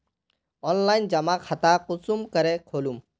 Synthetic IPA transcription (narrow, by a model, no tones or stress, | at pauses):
ɔnlajnd͡ʒɐmakʰat̪aqʊsumkəɾekʰoːlum